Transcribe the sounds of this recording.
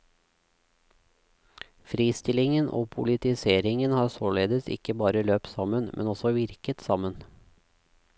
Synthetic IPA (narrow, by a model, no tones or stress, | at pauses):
fɾiːst̪ɪlɪŋənʔo̰ːpʰʊlɪt̪ɪseːɾɪŋənhɑːsoːɭeːd̪əsɪ̰kəbɑːɾəløːpsɑmənmʔɛ̰nɔsɔʋɪɾkət̪sɑmən